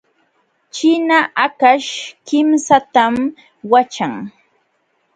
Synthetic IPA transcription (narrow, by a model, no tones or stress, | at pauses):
t͡ʃɪnaʔakaʃkɪmsat̪am | wat͡ʃaŋ